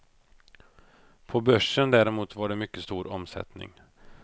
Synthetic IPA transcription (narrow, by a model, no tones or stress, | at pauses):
pʰɔbœʂənd̪æːɾɛmuːt̪vaɖɛmʏkːəst̪uːɾɔmsɛ̰t̪nɪ̰ŋ